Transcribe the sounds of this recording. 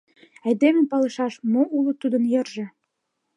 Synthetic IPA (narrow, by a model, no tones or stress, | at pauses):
ɑjd̪emepɑlɤ̆ʃɑʃmoʔulŭt̪ud̪ə̆njɤ̆rʒĕ